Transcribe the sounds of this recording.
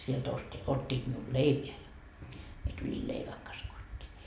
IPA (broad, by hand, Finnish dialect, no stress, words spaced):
sielt osti otʲːiːt miul leipeæ jɑ mie tulʲi leiʋæŋ kɑs kotʲːiː